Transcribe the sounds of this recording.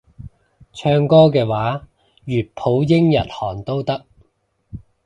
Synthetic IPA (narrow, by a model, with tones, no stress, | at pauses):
t͡ʃʰœː˧ŋkɔː˥kɛː˧waː˨˥ | jyː˨˩t̚pʰo˨˥wjɪ˥ŋjɐ̰˨t̚hɔː˨˩ŋt̪o˥wt̪ɐ˥k̚